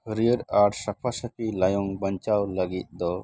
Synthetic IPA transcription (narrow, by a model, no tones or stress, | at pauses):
əɾiəɾaɾsapʰasəpilajɔŋbəɲt͡ʃawləɡit̪̚d̪ɔ